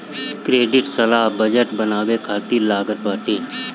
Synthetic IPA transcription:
kɾeːɖɪʈsɐlaːɦbəd͡ʒəʈbɐnaːwekʰaːt̪ilaːɡət̪̚ʋaːʈeː

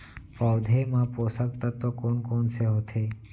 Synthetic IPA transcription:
pɔːd̪ʱemãposək̚t̪at̪ːokonkoːnseɦot̪ʰe

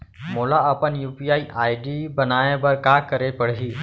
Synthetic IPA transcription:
molaəpənjuːpiaːiʔaːiɖibənaebəɾkakəɾepəɽɦiː

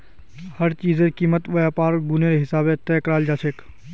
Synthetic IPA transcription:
həɾt͡ʃiːzekiːmət̪ʋəjaːpaːɾɡuneɾeɦɪsaːbẽt̪ɛːkəɾaːld͡ʒaːt͡ʃʰeːk

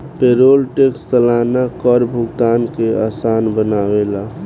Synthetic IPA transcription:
peːɾoːlʈekstəlaːnakəɾbʱʊɡt̪aːnkeaːsaːnbənaːwela

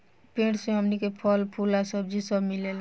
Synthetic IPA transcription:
pẽʈsẽɦəmnikepʰɔlpʰulasəb̚d͡ʒisəbmilel

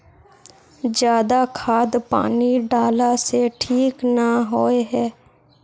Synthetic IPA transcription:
d͡ʒjaːd̪akʰaːd̪pa̰ːniɖaːlaseʈʰiːknaɦoːeɦɛː

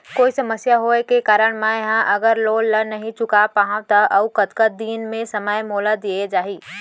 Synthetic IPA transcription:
koːisɐməsjaɦoekekaːɾəɽ̃mãjɐɦãʔɐɡəɾloːllənɐɦĩt͡ʃʊkapaːɦãt̪aʔɐukəd̪kəd̪iːnmẽsɐməjmoːlad̪ied͡ʒaːɦiː

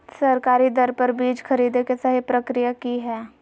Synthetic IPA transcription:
sɐɾkaːɾid̪ɐɾpɐɾbiːd͡ʒkʰɐɾiːd̪ekesɐɦipɾɐkɾijakiɦɛː

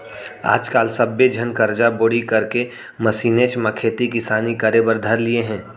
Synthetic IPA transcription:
a̰ːd͡ʒkaːlsɐbːed͡ʒʱɐnkɐɾd͡ʒaboːɽikɐɾke | mɐsiːnet͡ʃmɐkʰeːt̪ikɪsaːnikəɾebəɾd̪ʱəɾlieɦɛ̃ː

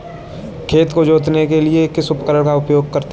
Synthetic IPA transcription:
kʰeːt̪kod͡ʒoːt̪nekeliekɪsʊpəkəɾəɽ̃kaʊpjoːɡ̚kɐɾt̪

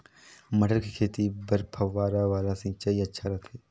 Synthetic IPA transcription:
məɖəɾkikʰeːt̪ibəɾpʰɐʋaːɾaʋaːlasĩːt͡ʃaːiɐtːʃʰaɾɐkʰeː

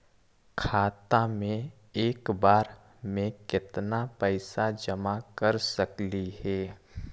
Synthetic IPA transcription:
kʰaːt̪ãmẽ | eːkbaːɾ | mẽkɪt̪napɛɪsad͡ʒəmakəɾsəklihɛː

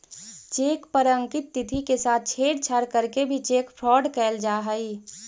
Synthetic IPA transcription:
t͡ʃeːkpəɾə̃ŋkɪt̪̚ːɪt̪ʰikesaːt̪̚ʰt͡ʃʰeːɽt͡ʃʰaɾkəɾkebʱit͡ʃeːkpʰɾɔːɖkɛːld͡ʒaːɦəi

